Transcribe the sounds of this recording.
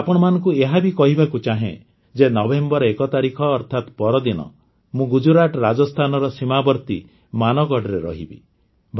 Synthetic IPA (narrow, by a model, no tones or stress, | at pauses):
apɔɽ̃ɔmanɔ̃ŋkueɦabikɔɦibʱakut͡ʃaɦḛ̃ | d͡ʒenɔbembɔɾɔekɔt̪aɾikʰɔːɾt̪ʰat̪pɔɾɔd̪inɔ̰ | mũɡud͡ʒuɾaʈɾad͡ʒɔst̪ʰanɔɾɔsimabɔɾt̪i | manɔɡɔɽɔɾeɾɔ̰ɦḭbḭ | bʱ